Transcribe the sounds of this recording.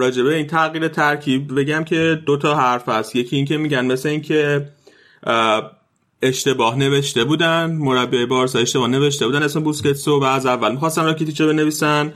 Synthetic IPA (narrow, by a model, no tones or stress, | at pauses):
ɾɒːd͡ʒe̞be̞int̪ʰæɣiːɾet̪ʰæɾcʰibbe̞ɟæmcʰe̞d̪ot̪ʰɒɦæɾfæst̪je̞cʰiːiːŋcʰe̞miɟænme̞sleincʰe̞ | eʃt̪e̞bɒːhne̞ve̞ʃt̪e̞buːd̪ænmo̞ɾæbːiejebɒːɾsɒjeʃt̪e̞bɒhne̞ve̞ʃt̪e̞bud̪ænesmebusce̞t̪sovæːzævːælmixɒst̪ænrɒːkʰit̪ʰit͡ʃobe̞ne̞viːsæn